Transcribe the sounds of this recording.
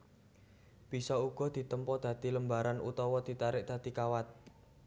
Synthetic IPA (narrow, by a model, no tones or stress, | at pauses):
b̥i̤sɔuɡ̥ɔ̤d̪̥i̤t̪əmpɔd̪̥ä̤d̪̥i̤ləmbaɾanʔṵt̪ɔwɔd̪̥i̤t̪aɾɪʔ̚d̪̥ä̤d̪̥i̤kawat̪̚